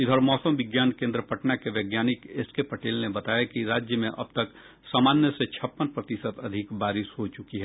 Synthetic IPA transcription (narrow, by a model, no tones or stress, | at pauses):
ɪd̪ʱɔɾmɔːsəmʋɪɡjaːnkẽnd̪ɾəpəʈnakeʋeːɡjaːnɪkeskepɐʈeːlnebɐt̪aːjakiɾaːd͡ʒjəmẽʔɐ̰b̚t̪ɐk | saːmaːnjəset͡ʃʰɐpːənpɾət̪ɪsət̪ɐd̪ʱɪkbaːɾɪʃɦot͡ʃʊkiɦɛː